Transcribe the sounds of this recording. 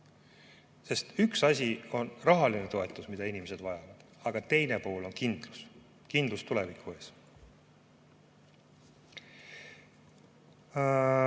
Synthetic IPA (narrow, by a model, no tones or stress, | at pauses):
se̞st̪yksɑsʲio̞nrɑɦɑlinet̪o̞e̞t̪ːˑusmid̪̥ɑinimese̞d̪̥vɑjɑvɑd̪̥ | ɑɡ̥ɑt̪e̞jne̞poːlo̞nkind̪̥lus | kind̪lust̪ule̞vikʰːˑue̞ːs